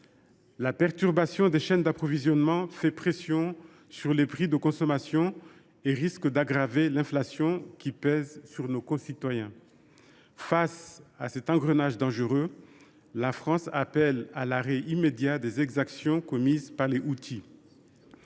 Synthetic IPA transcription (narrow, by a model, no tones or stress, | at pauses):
lapɛʁt̪yʁbasjɔ̃d̪eʃɛnd̪apχɔvizjɔnmɑ̃fɛpχesjɔ̃ | syʁlepχid̪əkɔ̃sɔmasjɔ̃ | eʁiskd̪aɡʁavelɛ̃flasjɔ̃kʲipɛzsyʁnokɔ̃sit̪wajɛ̃ | fasasɛt̪ɑ̃ɡʁənaʒd̪ɑ̃ʒəʁø | lafχɑ̃sapɛlalaʁeʔimed̪jad̪ezɛɡzaksjɔ̃kɔmizpaʁleʔut̪ʰi